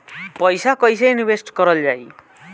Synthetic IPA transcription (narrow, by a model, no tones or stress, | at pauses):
pʌjsakʌjs̬ejnibesʈkʌɾʌld͡zaj